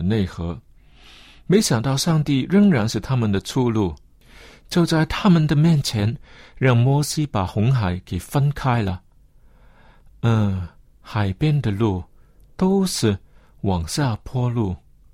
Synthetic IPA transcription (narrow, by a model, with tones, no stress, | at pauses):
ne˥˩ɪxɤ˧˥ | me˧˥ɪɕjɑ˨˩ŋt̪ɑ˥˧ʊʂɑ˥˧ŋt̪i˥˩ɻə˥ŋɻa˧˥nʂɻ̩˥˩t̪ʰa˥mə˨nd̪ə˨t͡sʰu˥˧lu˥˩ | t͡ɕjo˥˧ʊt͡sa˥˩ɪt̪ʰa˥mə˨nd̪ə˨mjɛ˥˩nt͡ɕʰjɛ˧˥nɻɑ˥˩ŋmwɔ˧˥ɕi˥pa˨˩xʊ˧˥ŋxa˨˥ɪke˨˩ɪfə˥nkʰa˥ɪlə˨ | ə˥˩ | xa˨˩ɪpjɛ˥nd̪ə˨lu˥˩ | t̪o˥ʊʂɻ̩˥˩ | wɑ˨˩ŋɕja˥˩pʰwɔ˥lu˥˩